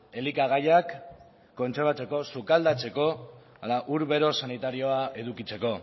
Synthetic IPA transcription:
e̞likaɣ̞ajakː | o̞nt͡se̞ɾβ̞at͡se̞ko̞sukald̪at͡se̞ko̞ | alaʔuɾβe̞ɾo̞sanit̪aɾio̞ae̞ðukit͡se̞ko̞

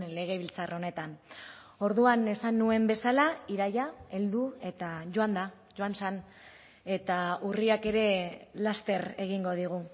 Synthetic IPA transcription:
le̞ɣ̞e̞β̞ilt͡saro̞ne̞t̪an | o̞ɾðuane̞sanːue̞mbe̞salaiɾajae̞ld̪ue̞t̪aʝo̞and̪a | ʝo̞ansan | e̞t̪auriake̞ɾe̞last̪e̞re̞ɣiŋɡo̞ð̞iɣ̞u

